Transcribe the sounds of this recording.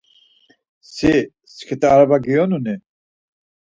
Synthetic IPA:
si | skʰit̪aɾabaɡijɔnuni

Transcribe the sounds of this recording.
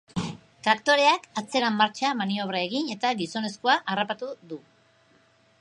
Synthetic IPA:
t̪ɾakt̪o̞ɾe̞akat͡se̞ɾamːaɾt͡ʃamanio̞β̞ɾae̞ɣine̞t̪aɡiso̞ne̞skoaʔarapat̪uðu

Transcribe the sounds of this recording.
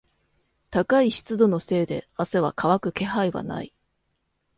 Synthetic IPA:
t̪akaiɕi̥t͡sɨd̪o̞no̞se̞ːd̪e̞̰ase̞βakʰaβakɯ̟ke̞ɦaiβa̰na̰i

